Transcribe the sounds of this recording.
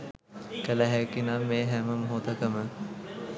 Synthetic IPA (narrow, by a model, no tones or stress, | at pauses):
kəlæɦɛkinameːɦɛməmɦoːt̪əkəmə